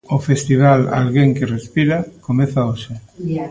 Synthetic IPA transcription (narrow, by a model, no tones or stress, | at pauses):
ofest̪iβ̞ala̰lɣeŋkerespiɾakomeθaoʃe